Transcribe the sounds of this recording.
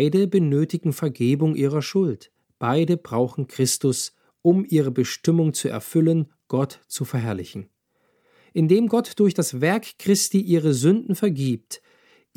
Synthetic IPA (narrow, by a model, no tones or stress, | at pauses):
ɪdəbənøːtɪɡŋ̩fɛɐɡeːbʊŋʔiːʁ̞ɐʃʊlt | b̥aɪdəbʁaʊxn̩kʁ̥ɪstʊs | ʔʊmʔiːʁəbəʃtɪmʊŋt͡suɛ̰ɐfʏlən | ɡ̥ɔtt͡sufɛɐɦɛɐlɪçn̩ | ʔɪndeːmɡɔtd̥ʊɐçd̥asv̥ɛɐkkʁ̥ɪstiːʔiːʁəzʏndn̩fɛɐɡiːp̚t